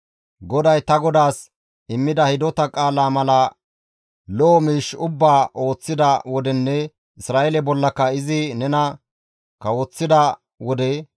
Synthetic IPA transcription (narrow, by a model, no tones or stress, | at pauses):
ɡɔd̪ɐjt̪ɐɡɔd̪aːs | ɪmːɪd̪ɐhɪd̪ɔt̪ɐkʼaːlaːmɐlɐ | loːmiːʃʊbːaːʔo̞ːt͡sːɪd̪ɐwɔd̪ɛnːɛ | ɪsɾaːʔɛlɛbɔlːɐkːɐɪzɪnɛnɐ | kɐwoːt͡sːɪd̪ɐ | wɔd̪ɛ